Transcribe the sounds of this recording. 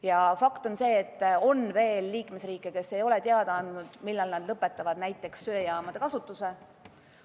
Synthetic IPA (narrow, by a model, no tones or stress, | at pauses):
jɑfɑkt̪o̞nse̞ːt̪ːo̞nve̞ːlːiːkmesriːkːˑeke̞sːe̞jo̞let̪eɑd̪̥ɑɑnd̪̥ud̪̥milːɑlnɑd̪lɤpːˑe̞t̪ːˑɑvɑd̪̥næjt̪ːˑe̞ksːø̞ːjɑːmɑd̪̥e̞kɑsut̪ːˑuse